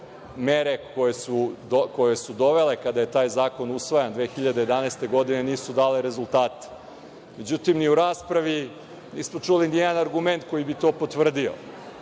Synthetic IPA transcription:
meɾe̞kojesud̪okojesud̪o̞ʋe̞le̞kad̪aje̞t̪aːjzaːko̞nusʋojand̪ʋe̞ːxiʎad̪ejd̪aneːst̪e̞ɡo̞d̪ine̞niːsud̪aːleɾe̞zulˠt̪aːt̪ | me̞d͡ʑut̪imniuɾaːspɾaʋi | niːsmo̞t͡ʂulinijed̪anaɾɡume̞nt̪ko̞jibit̪o̞ːpo̞t̪ʋr̩d̪io̰

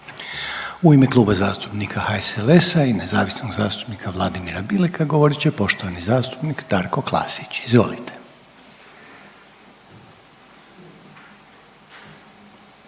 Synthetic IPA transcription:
uimeklˠuːbazaːst̪u̥pnikʰahaesele̞sainezaːʋisnoɡzaːst̪u̥pnikʰaʋlˠad̪imiɾabilikʰaɡo̞ʋoɾit͡ɕe̞po̞ʃt̪o̞ʋanizaːst̪u̥pnikd̪̥aɾko̞klˠa̰ːsi̥t͡ɕizʋo̞̰lit̪ʰe̥

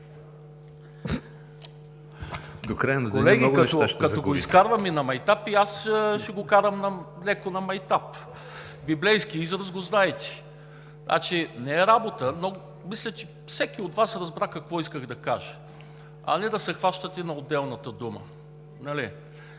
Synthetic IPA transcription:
d̪okɾajnkolɛɡiɔɡɛt̪ɔakɐt̪oɡoiskaɾvɐminɐmɐjt̪apiasʃɛɡokaɾəmnɐlɛkonɐmɐjt̪ap | biblɛjskiizɾəzɡoznaɛt̪i̥ | na̰t͡ʃinɛɛɾabot̪əno | mislʲət͡ʃɛ | fsɛk̟iot̪vasɾɐzbɾakɐkvɔiskəɣd̪ɐkaʒə | ɐ̰nɛd̪ɐsɛxvaʃt̪ət̪ɛnɐod̪ɛlˠnɐt̪əd̪umə̰ | nɐli

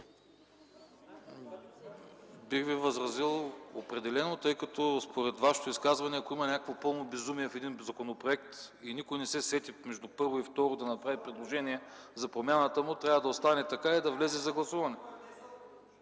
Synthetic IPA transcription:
biɣvivɐzɾɐzilˠopɾɛd̪ɛlɛnot̪ɤjkɐt̪ɔspoɾɛt̪vaʃɛ̥t̪oiskazvɐnɛɐkoimɐnʲakəkvopɤlˠnobɛzumiɛfɛd̪inzɐkonopɾoɛk̚t̪inikojnɛsɛsɛt̪imɛʒd̪ʊpɤɾvoift̪ɔɾod̪ɐnɐpɾavipɾɛd̪lˠoʒɛniɛzɐpɾomʲjanət̪əmʊt̪ɾʲavəd̪ɐost̪anɛt̪ɐkaid̪ɐvlɛzɛzɐɡlˠɐsuvɐnɛ

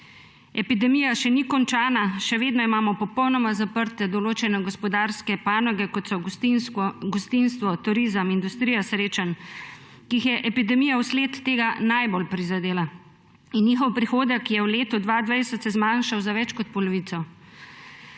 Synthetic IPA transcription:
ɛpid̪ɛmijaʃɛnikɔnt͡ʃaːnaʃɛʋeːd̪nɔimaːmɔpɔpɔwnɔmazapəɾt̪ɛd̪ɔloːt͡ʃɛnɛɡɔspɔd̪aːɾskɛpaːnɔɡɛkɔt̪sɔ | ɡɔst̪inst̪ʋɔt̪uɾizəmind̪ust̪ɾijasɾeːt͡ʃan | kixjɛʔɛpid̪ɛmijawsleːt̪ːeːɡanajbolpɾizad̪eːla | inːjixɔwpɾixoːd̪əkjɛwleːt̪ɔd̪ʋad̪ʋajsɛt̪sɛzmanʃawzaʋɛt͡ʃkɔt̪̚pɔlɔʋiːt̪sɔ

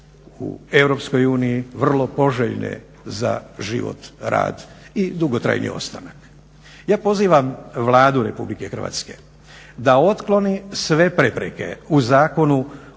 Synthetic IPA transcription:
ṵe̞ʋɾo̞psko̞juːnijiʋr̩lˠo̞po̞ʒeʎnḛ | za̰ʒḭʋo̞̰t̪ɾa̰ːd̪id̪uɡot̪ɾa̰jnḭo̞̰st̪anak | jaːpo̞ziːʋamʋlˠaːd̪uɾe̞publike̞xr̩ʋa̰ːt̪ske̞ | d̪ao̞t̪klˠo̞nisʋe̞pɾe̞pɾeke̞̰uzaːko̞nu

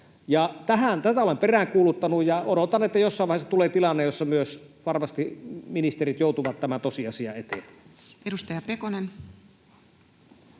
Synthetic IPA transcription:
jɑt̪æhænt̪æt̪æolemperæːŋkuːlut̪ːɑnujjɑodot̪ɑnːet̪ːæjosːɑˑiʋɑˑhesːɑt̪uleːt̪ilɑnːejjosːɑmyøsʋɑrmɑst̪iminist̪erit̪joˑut̪uʋɑt̪t̪ːæmænt̪osiɑsiɑ̰et̪ḛmpæ̥ | edust̪ɑjɑpekonen

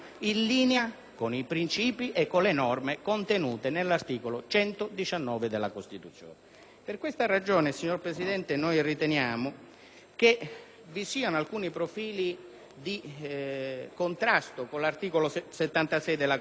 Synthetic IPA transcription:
inliːnea | konipɾint͡ʃiːpiʔekːonlenɔrmekont̪enuːt̪enelːart̪iːkolot͡ʃɛnt̪od̪it͡ʃanːɔːved̪elːakost̪it̪ut̪sːjo̰ːne | perkwest̪arad͡ʒoːnesiɲːorpɾesid̪ɛnt̪enojrit̪enjaːmʊ | ke | visiːanoalkuːnipɾofiːli | d̪i | kont̪ɾast̪okonlart̪iːkoloset̪ːant̪asɛjd̪elːa

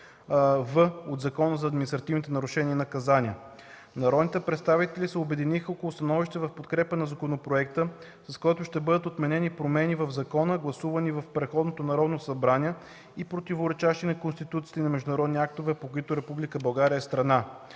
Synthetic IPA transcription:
vəot̪zɐkɔnəzɐːd̪minist̪ɾɐt̪ivnit̪ɛnɐɾuʃɛnʲiɛnɐkɐzanʲiə | nɐɾɔd̪nit̪ɛpɾɛt̪st̪avit̪ɛlisɛobɛd̪inixəɔkolˠʊst̪ɐnɔviʃt̪ɛvɐfpot̪kɾɛpənɐzɐkonopɾoɛk̚t̪ə | sɐskɔjt̪ʊʃt̪ɛbɤd̪ət̪ot̪mɛnɛnipɾomɛnivɐvzɐkɔnəɡlˠɐsuvənivɐfpɾɛt̪xɔd̪not̪onɐɾɔd̪nosɐbɾanʲiɛ | ipɾot̪ivoɾɛt͡ʃaʃt̪inɐkonst̪it̪ut̪si̥ːt̪nɐmɛʒd̪ʊnɐɾɔd̪niak̚t̪ovɛpokʊit̪ʊɾɛpublʲikəbɐlˠɡaɾʲiəɛst̪ɾɐna

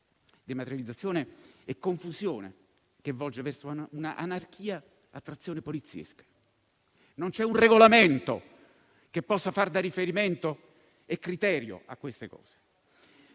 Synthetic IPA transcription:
d̪imat̪eɾjalid̪zat̪sːjoːneekːoɱfuzjoːnḛ | k̟evːɔld͡ʒevɛrsouna̰ʔa̰nark̟ʰiːa | at̪ːɾat̪sːjoːnepolit̪sːjḛskḁ | nont͡ʃɛunreɡolament̪o | kepːɔsːafard̪arːifeɾiment̪o | ekːɾit̪ɛːɾjo̰akːwest̪ekɔ̰ːz̥e̥

